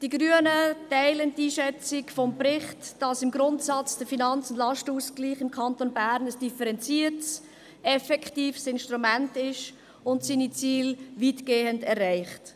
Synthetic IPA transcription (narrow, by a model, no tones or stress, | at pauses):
d̥iɡɾyənətɛɪləntiːʃɛt͡sɪkfɔmpɾɪχtd̥ɑsɪmɡɾʊntsɑt͡sd̥əfinɑnt͡sʊndlɑʃtəuːskliːχɪmkʰɑntonbæːɾnəsd̥ifəɾɛnt͡siəɾts | ɛfɛkχtiːfsɪnʃtɾumæntɪʃ | ʊntsiːnit͡siːlviːtɡ̥eːəndɛræɪχt